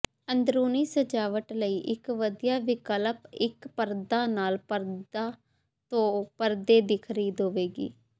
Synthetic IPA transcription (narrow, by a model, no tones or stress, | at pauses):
ənd̪ɾuːniːsəd͡ʒaːʋəʈləiːʔɪkʋəd̪ijaːʋɪkələpɪkpəɾd̪aːnaːlpəɾdaː | t̪õːpəɾd̪eːd̪ɪkʰɾiːd̪oːʋeːɡḭː